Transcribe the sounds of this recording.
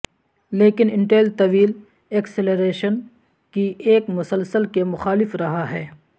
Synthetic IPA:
leːkɪnɪ̃ɳʈeːlt̪ɐʋiːl | ekseleɾeːʃən | kiʔeːkmʊsəlsəlkemʊxaːlɪfɾɐɦaɦɛː

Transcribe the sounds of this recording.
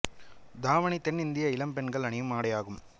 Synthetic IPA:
d̪aːʋɐɳit̪ɛnːɪnd̪ɪjɐɪlɐmpɛnɡɐɭɐɳɪjɯmaːɽɐjaːɣɯm

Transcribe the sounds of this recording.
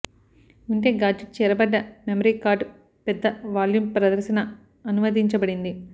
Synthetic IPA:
uɳʈeːɡaːd͡ʒɐt͡ʃɛːɾɐbɐɖːɐmemɐɾiːkaːɾɖ | pɛd̪ːɐʋaːljumpɾɐd̪ɐɾʃɐnɐ | ɐnumɐd̪iɲt͡ʃɐbɐɽind̪i

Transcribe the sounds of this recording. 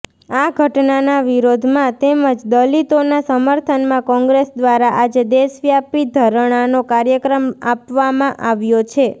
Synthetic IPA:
aɡʱəʈnanaʋiɾod̪ʱmãt̪eməd͡ʒd̪əlit̪onasəməɾt̪ʰənmãkɔ̃ŋɡɾesd̪ʋaɾaʔad͡ʒed̪esʋjapid̪ʱəɾɳ̃anokaɾjəkɾəmapʋamãʔaʋjot͡ʃʰe

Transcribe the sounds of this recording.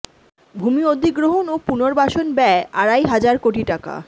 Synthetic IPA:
bʱumiod̪iɡɾoɦonopunoɾbaʃonbɛeʔaɾajɦad͡ʑaɾkoʈiʈaka̰

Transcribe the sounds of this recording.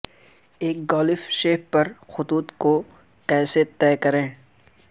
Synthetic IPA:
eːk̚ɡɔːlɪfʃeːppɐɾxʊt̪uːt̪ko | kɛːset̪ɛːkɐɾẽː

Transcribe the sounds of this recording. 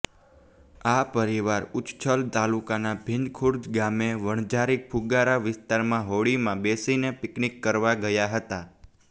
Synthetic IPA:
apəɾiʋaɾʊt͡ʃt͡ʃʰəlt̪alukanabʱɪnd̪kʰuɾd͡ʒɡameʋəɳ̃d͡ʒaɾik̚pʰuɡaɾaʋɪst̪aɾmãɦoɭimãbesinepɪknikːəɾʋaɡəjaɦət̪a

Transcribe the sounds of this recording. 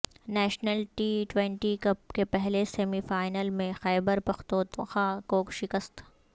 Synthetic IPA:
nɛːʃnəlʈiːʈwɛ̃ɳʈikɐp̚kepɛɦlesɛːmifaːɪnəlmẽxɛːbəɾpɐxt̪oːt̪xãːkoʃɪkəst̪

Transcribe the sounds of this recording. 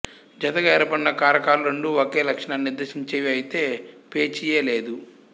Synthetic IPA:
d͡ʒɐt̪ɐɡɐɛɾɐpɐnːɐkaːɾɐkaːɾuɾɐɳɖuokeːlɐkʂɐɳaːnnːiɾd̪ɐʃiɲt͡ʃeːʋiɐjit̪e̞ːpeːt͡ʃijeːle̞ːd̪u

